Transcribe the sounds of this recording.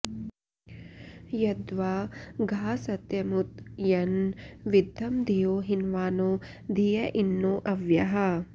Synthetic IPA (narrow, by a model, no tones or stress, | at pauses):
jɐd̪ʋaːɡʱaːsɐt̪jɐmut̪jɐnʋid̪ʱːɐmd̪ʱijoːɦinʋaːnoː | d̪ʱijɐʔinːoːʔɐʋjɐɦɐ